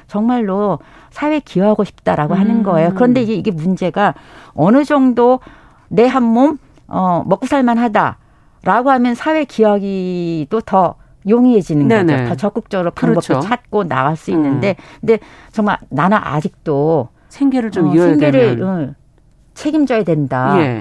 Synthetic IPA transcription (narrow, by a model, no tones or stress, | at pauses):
t͡ɕʌŋmaɭːo | sʰawe̞kʰiʌɦaɡoɕʰi̥p̚t͈aɾaɡoɦanɯnɡʌe̞jokɯɾʌnde̞iɡe̞iɡe̞mund͡ʑe̞ɡaʌnɯd͡ʑʌŋdo | ne̞ɦamːom | ʌːʌk͈usʰaɭmanɦada̰ | ɾaɡoɦamjʌnsʰawe̞kiaɡidotʌ | joŋiɦe̞d͡ʑinɯnɡʌnotʌt͡ɕʌk͈ɯk̚t͡ɕ͈ʌɡɯɾopʰubʌot͡ɕʰat̚k͈ona̰ɣaɭs͈uinːɯnde̞knde̞t͡ɕʌŋmaɭnanaʔa̰d͡ʑik̚t͈o | sʰeŋɡeɾɯɭmseŋɡeɾɯɭɯ | t͡ɕʰe̞ɡimd͡ʑʌjedwe̞ndaje